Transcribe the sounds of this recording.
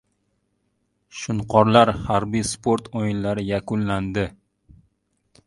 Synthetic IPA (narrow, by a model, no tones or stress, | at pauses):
ʃʊnqʰɒɾlaɾhaɾbijspʰoɾt̪ʰojɪnlaɾɪjakʰʊnland̪ɪ